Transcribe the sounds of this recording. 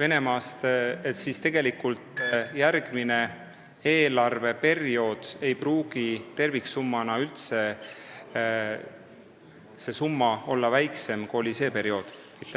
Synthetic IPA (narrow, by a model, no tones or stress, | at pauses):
ve̞ne̞mɑːst̪et̪sist̪e̞ɡ̥e̞likult̪ˑjærɡ̥mine̞ | e̞ːlɑrve̞pe̞rio̞ːd̪̥e̞jpruːɡ̥it̪e̞rviksumːɑnɑylt̪se̞ | se̞sumːɑo̞lːɑvæjkse̞mkolʲise̞ːpe̞ɾio̞ːd̪̥ | mit̪ːˑ